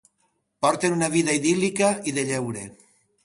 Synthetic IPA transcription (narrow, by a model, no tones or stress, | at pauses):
pɔɾt̪enunaβiðaiðilikaiðeʎɛwɾe